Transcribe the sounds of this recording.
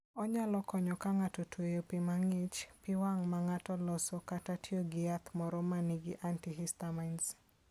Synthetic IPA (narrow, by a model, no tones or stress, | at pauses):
ɔɲalɔkɔɲɔkaŋatɔtwejopɪmaŋɪt͡ʃpɪwaŋmaŋatɔlɔsɔkatatjoɡɪat̪mɔɾɔmaniɡɪʔantiɦistamaɪns